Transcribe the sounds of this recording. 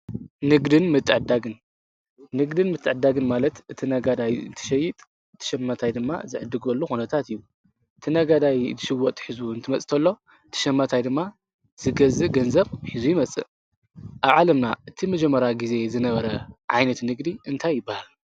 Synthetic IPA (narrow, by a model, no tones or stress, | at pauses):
nɨɡd̪ɨnmɨt̪ʼːɨʕɨd̪aɡɨnː | ɨɡd̪ɨnmɨt̪ʰʼːɨʕɨd̪aɡɨnmalɐt̪ɨt̪ʰinɐɡad̪ajɨ̰nt̪ʰɨ̥ʃɐjːɪt̪ʼ | ɨt̪ʰːɨ̥ʃɐmːat̪ʰajd̪ɨmːa̰zɨʕɨd̪ːɨɡɐlːuxunɐt̪ʰat̪ijːu | ʔɨt̪ʰinaɡad̪ajt̪ʰɨʃɨwːɔt̪ʼːħizuɨnt̪ʰɨmɐt͡sʼt̪ʰɐlːo̞ | ɨt̪ʰɨ̥ʃɐmːat̪ʰajd̪ɨmːa | z̥ɨɡɐzɨɡɐnzɐβħizujɪmɐt͡sʼɨ̰ | ʔaβʕalɐmna̰ʔɨt̪ʰimɐd͡ʒɐmːɐɾaɡize̞zɨnɐβɐɾɐʕa̰jnɐt̪nɨɡd̪iʔɨnt̪ʰajːɪbːahal